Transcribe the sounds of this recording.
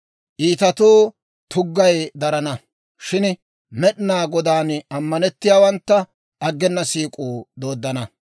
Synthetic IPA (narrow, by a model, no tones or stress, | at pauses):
ʔiːt̪ɐt̪oː | t̪ʰʊɡːɐjd̪ɐɾɐnɐ | ʃɪn | mɛɗnaːɡɔd̪aːnɐmːɐnɛt̪ːɪjaːwɐnt̪ːɐ | ɐɡːɛnːɐsiːkʼuːd̪o̞ːd̪ːɐnɐ